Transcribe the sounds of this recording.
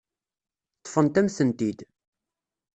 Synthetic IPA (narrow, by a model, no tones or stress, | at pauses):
t̪ˤːfənt̪æmsənt̪id̪